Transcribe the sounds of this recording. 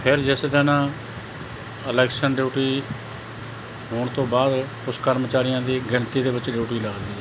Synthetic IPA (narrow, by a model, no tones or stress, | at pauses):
pʰɪɾd͡ʒɛːseːd̪ənãː | əlɛːksənɖjuːʈiː | ɦoːɳt̪õːbaːd̪ | ʊskəɾmət͡ʃaːɾɪjãːd̪iːɡəɳt̪iːd̪eːbɪt͡ʃɖiːʈiːləɡd̪iː